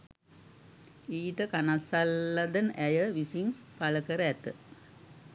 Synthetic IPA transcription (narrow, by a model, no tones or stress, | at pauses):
iːʈəkanasalːad̪ənʔæjəʋisim | paləkəɾəæt̪ə